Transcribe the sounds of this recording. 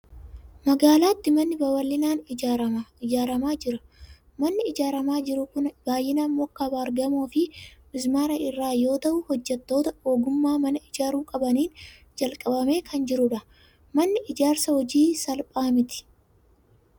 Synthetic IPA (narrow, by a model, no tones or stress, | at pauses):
mɐɡaːlaːt̪ːɪmɐnːɪbɐwɐlːɪnaːnɪaɾɐmaɪd͡ʒaːɾɐmaːd͡ʒɪɾɐ | mɐnːɪɪd͡ʒaːɾɐmaːd͡ʒɪɾʊkʊnb̥aːjɪnɐmːoːkːɐbaːɾɡɐmo̞ːfɪmɪzmaːɾɐʔɪrːaːjo̞ːt̪ɐʔʊhɔd͡ʒːɛt̪ːo̞ːt̪ɐoːɡʊmːaːmɐnɐɪd͡ʒaːɾuːkʼɐbɐniːn | d͡ʒɐlkʼɐbɐme̞ːkʰɐnd͡ʒɪɾʊᶑɐ | mɐnːɪʔɪd͡ʒaːɾsɐhɔd͡ʒiːsɐlpʼaːmɪt̪ɪ̥